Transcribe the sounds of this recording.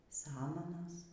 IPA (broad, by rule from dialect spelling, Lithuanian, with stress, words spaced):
ˈsɑːmɐnoːs